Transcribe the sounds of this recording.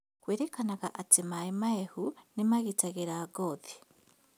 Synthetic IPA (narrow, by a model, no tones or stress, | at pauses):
kweːɾekanaɣaʔatimaimaehunimaɣitaɣeɾaːɡoði̥